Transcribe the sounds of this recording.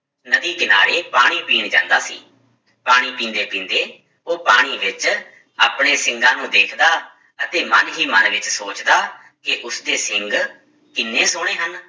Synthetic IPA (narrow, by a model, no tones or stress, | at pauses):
nəd̪iːkɪna̰ːɾeːpaːɽ̃iːpiːɳd͡ʒã̰ːnd̪aːsḭː | paːɽ̃iːpĩːnd̪eːpĩːnd̪eː | oːpaːɽ̃iːʋɪt͡ʃ | aːpɳeːsɪŋɡãːnũːd̪eːkʰd̪aː | ət̪eːmənɦiːmənʋɪt͡ʃsoːt͡ʃd̪aː | kɪʔʊsd̪eːsɪŋɡ | kɪnːẽːsʊɽ̃eːɦən